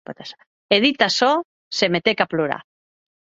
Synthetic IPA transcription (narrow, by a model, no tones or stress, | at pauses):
pot̪asḁ | eðit̪asɔ | semet̪ekaploɾa̰